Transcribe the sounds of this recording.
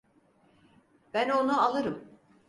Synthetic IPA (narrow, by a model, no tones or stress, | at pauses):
b̥æno̞nualˠɯɾɯm